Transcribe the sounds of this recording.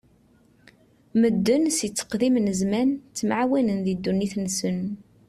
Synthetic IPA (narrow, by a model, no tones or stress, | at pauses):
məd̪ːənsit͡sːə̥qðimnəzmænt͡sːəmʕawænənðid̪ːunːiθnsən